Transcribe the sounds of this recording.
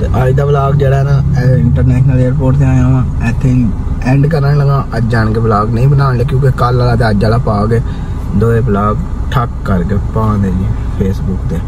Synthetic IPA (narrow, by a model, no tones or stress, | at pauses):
t̪ḛːʔaːid̪aːblaːɡd͡ʒeːɽaːɦɛnãːɛɪɳʈəɾnɛːʃnəleːɾpoːʈt̪eãːjãː | ɛːt̪ʰːeː | ɛ̃ːɳɖkəɾnaːeləɡãːəd͡ʒaːɳɡeːblaːɡnəĩːbənãːnleːkjõːkekaːlaːlaːt̪eːəd͡ʒaːlaːpaːɡeː | d̪oːɾeːblaːɡʈʰəkːəɾkeːpãːnd̪eːd͡ʒiː | pʰeːsbʊkd̪eː